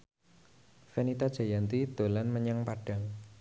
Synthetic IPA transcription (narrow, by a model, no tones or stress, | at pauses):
fenit̪ad̥ʒ̥a̤jant̪id̪̥o̤lanməɲaŋpaɖ̥a̤ŋ